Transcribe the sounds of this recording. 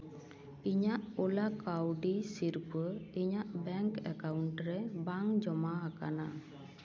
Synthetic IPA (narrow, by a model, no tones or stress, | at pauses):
iɲaʔulakawɖisiɾpəiɲaʔbɛŋkɛkawɳʈɾɛbaŋd͡ʒɔmaːkana